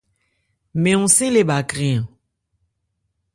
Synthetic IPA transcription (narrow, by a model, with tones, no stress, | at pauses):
mɛ̃˨ũ˨sĩ˦le˨ba˨kʁĩ˦˨ə̃˨